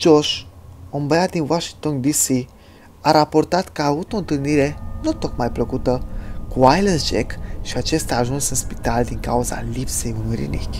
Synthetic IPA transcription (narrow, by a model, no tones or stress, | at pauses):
d͡ʒoʃombead̪inwaʃiŋk̚t̪ond̪isi | aɾapo̞rt̪at̪kəaːvut̪oɨnt̪ɨlniɾe̞nut̪o̞kmajpləkut̪əkuajləsd͡ʒekʃiat͡ʃe̞st̪aːʒunsɨnspi̥t̪ald̪iŋkauza̰lipse̞junujɾḭnḭkʲ